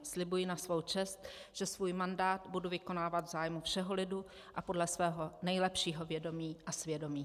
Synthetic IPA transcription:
slɪbujɪnasvo̞wt͡ʃɛst̪ʒ̥ɛsvuːjmandaːt̪buduvɪko̞naːvat̪vzaːjmufʃɛɦolɪdu | ʔapo̞dlɛsvɛːɦo̞nɛjlɛpʃiːɦo̞vjɛdo̞miːʔasvjɛdo̞miː

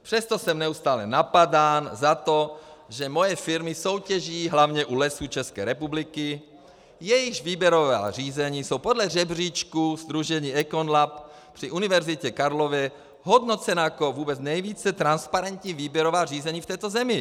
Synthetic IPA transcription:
pr̥ɛst̪osɛmnɛust̪aːlɛnapadaːnzat̪oʒɛmo̞jɛfɪɾmɪso̞wcɛʒiːɦlavɲɛʔulɛsut͡ʃɛskɛ̰ːɾɛpublɪkɪ | jɛjɪʒviːbjɛɾova̰ːr̝iːzɛɲiːsowpodlɛrɛbr̝iːt͡ʃkuzd̪ɾuʒɛɲiːɛkonlap | pr̝̥iʔunɪvɛɾzɪcɛkaɾlovɛ | ɦodnot͡sɛnajakovuːbɛt͡snɛjviːt͡sɛt̪ɾanspaɾɛnt̪ɲiːviːbjɛɾovaːriːzɛɲiːft̪ɛːt̪ozɛmɪ

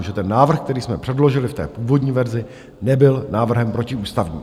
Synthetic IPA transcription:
ʒɛt̪ɛnːaːvr̩xk̚t̪ɛɾiːsmɛpr̝̥ɛdlo̞ʒɪlɪft̪ɛ̰ːpuːvo̞dɲiːvɛɾzɪ | nɛbɪlnaːvr̩ɦɛmpɾo̞cɪuːst̪avɲḭː

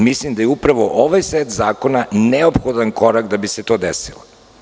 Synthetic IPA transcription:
mislimd̪ajeupɾaʋoʔoʋajset̪zaːko̞naneopxod̪anko̞ɾakd̪abiset̪o̞ːd̪esilo

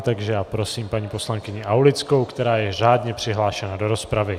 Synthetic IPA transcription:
t̪aɡʒɛjaːpɾo̞siːmpaɲiːpo̞slaŋkɪɲɪʔawlɪt͡sko̞wkt̪ɛɾaːjɛr̝aːdɲɛpr̥ɪɦlaːʃɛnado̞ɾo̞spɾavɪ

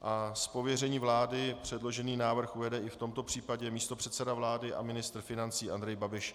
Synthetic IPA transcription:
ʔaspo̞vjɛrɛɲiːvlaːdɪpr̝̥ɛdlo̞ʒɛniːnaːvr̩xʔujɛdɛʔɪft̪o̞mt̪o̞pr̝̥iːpaɟɛmiːst̪o̞pr̥ɛt̪sɛdavlaːdɪʔa̰mɪnɪst̪rfɪnant͡siːʔand̪ɾɛjbabɪʃ

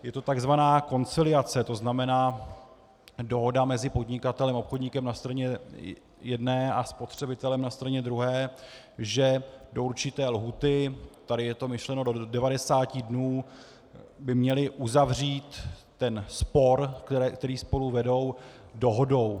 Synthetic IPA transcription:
jɛt̪o̞t̪aɡzvanaːko̞nt͡sɪlɪat͡sɛt̪o̞znamɛnaː | do̞ɦo̞damɛzɪpo̞dɲɪkat̪ɛlɛmaopxodɲɪkɛmnast̪ɾaɲɛ | jɛdnɛːʔaspo̞t̪r̝̥ɛbɪt̪ɛlɛmnast̪ɾaɲɛd̪ɾuɦɛː | ʒɛdo̞uɾt͡ʃɪt̪ɛːlɦuːt̪ɪt̪adɪjɛt̪o̞mɪʃlɛno̞dodɛvadɛsaːcɪdnuː | bɪmɲɛlɪʔuzavr̝iːt̪ː | ɛnspo̞ɾkt̪ɛɾiːspo̞luvɛdo̞wdo̞ɦo̞do̞w

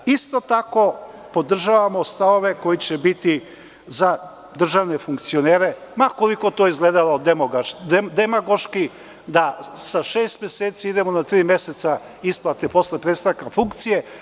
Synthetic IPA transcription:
ist̪o̞t̪ako̞ | po̞d̪r̩ʒaʋamo̞st̪aʋo̞ʋe̞ko̞jit͡ɕebit̪i | za | d̪r̩ʒaʋne̞fuŋk̚t̪sio̞neːɾe̞mako̞liko̞t̪oizɡleːd̪alod̪emoɡd̪emaɡoʃki | d̪asaʃeːst̪mje̞seːt̪siid̪e̞mo̞nat̪ɾiːmje̞se̞t̪sa | isplˠat̪epo̞sle̞pɾet̪st̪aʋkafuŋkt̪sije̞

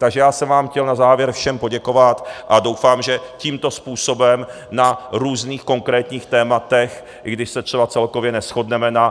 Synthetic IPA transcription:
t̪aɡʒɛjaːsɛmvaːmxcɛlnazaːvjɛɾfʃɛmpo̞ɟɛko̞vat̪ʔado̞wfaːmʒɛciːmt̪o̞spuːso̞bɛm | naɾuːzniːxko̞ŋkɾɛːt̪ɲiːxt̪ɛːmat̪ɛx | ɪɡdɪʃsɛt̪r̝̥ɛbatt͡sɛlko̞vjɛnɛsxo̞dnɛmɛna

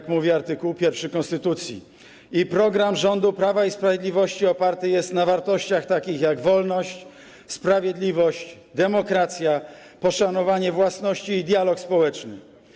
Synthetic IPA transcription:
kmuvʲjɛaɾt̪ɘkuwpʲjɛɾfʂɘkɔ̃nst̪ɘt̪ut̪sʲjḭ | ipɾɔɡɾamʐɔnd̪upɾavaispɾavjed̪lʲivɔɕt͡ɕiɔpaɾt̪ɘjɛst̪navaɾt̪ɔɕt͡ɕaxt̪akʲixjaɡvɔlnɔɕt͡ɕ | spɾavʲjed̪lʲivɔɕt͡ɕ | d̪ɛmɔkɾat̪sʲja | pɔʂanɔvaɲɛvwasnɔɕt͡ɕiːd̪ʲjalɔkspɔwɛt͡ʂnɘ̰

